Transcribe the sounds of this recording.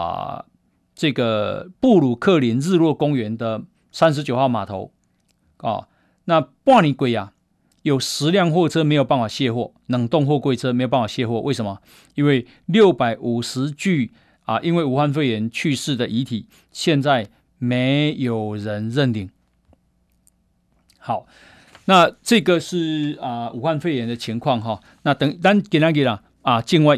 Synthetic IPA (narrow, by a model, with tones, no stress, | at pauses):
ʈ͡ʂɤ˥˩ɡə˩pu˥˩lu˨˩kʰɤ˥˨li˨˦nɻ̩˥˧lwɔ˥˩kʊ˥ŋɥɛ˧˦nd̪ə˨ | sa˦nʂ̬ɻ̩˧˥t͡ɕjo˨˩xɑ˥˩ʊma˨˩t̪ʰo̰˧˦ʊ | ə̰˨˩ | na˥˨pwa˥˧ni˨˥kwe˨˩ɪa˨ | jo˨˩ʊʂɻ̩˧˦ljɑ˥˧ŋxwɔ˥˧ʈ͡ʂʰɤ˦˥me˧˥ɪjp̬a˥˩nfwa˨˩ɕjɛ˥˧xwɔ˥˩ | nɤ˨˩ŋt̪o˥˧ŋxwɔ˥˧kwe˥˩ɪt͡sʰɤ˦˥me˧˥o˨˩pa˥ŋ˩wa˨˩ɕjɛ˥˧xwɔ˥˧wʔe˥˩ɪʂə˨˦nmɐ˨ | i˦nwe˥˩ɪ | ljo˥˩ʊpa˨˩ɪʔu˨˩ʂɻ̩˧˦t͡ɕy˥˧ | ə˨ʔi˦nwe˥˩ɪu˨˩xwa˥˧nfe˥˩ɪjɛ˧˦nt͡ɕʰy˥˧ʂɻ̩˥˨d̪ə˨ʔi˧˥˦t̪ʰi˨˩˦ | ɕjɛ˥˧nt͡sa˥˩ɪ | me˨˦ɪjo˨˩ʊɻə˧˦nɻə˥˧nt̪i˨˩ŋ | ha˨˩˦ʊ | na˥˧˨t͡sɤ˥˧ɡə˨ʂɻ̩˥˩ə˨u˨˩xwa˥˧nfe˥˩ɪjɛ˨˦nd̪ə˨t͡ɕʰi˧˥ŋkʰwɑ˥˨ŋɦɔ˨ | na˥˨t̪ə˨ŋt̪a˥˦nke˨˩na˨˥k̬e˨˩la˨˩ | ə˨˩t͡ɕi˥˧nwa˥˧ɪ